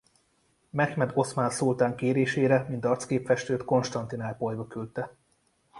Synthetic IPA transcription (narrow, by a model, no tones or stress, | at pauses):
mɛxmɛd̪o̞smansult̪aːŋkeːɾeːʃeːɾɛmint̪ɒrt̪skeːpfɛʃt̪øːt̪ko̞nʃt̪ɒnt̪inaːrpo̞jbokylt̪ɛ